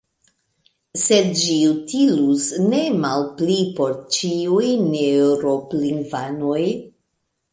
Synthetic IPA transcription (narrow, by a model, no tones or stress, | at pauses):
se̞dd͡ʒiutilusne̞malplipo̞ɾt͡ʃiujneuɾo̞pliŋɡvano̞j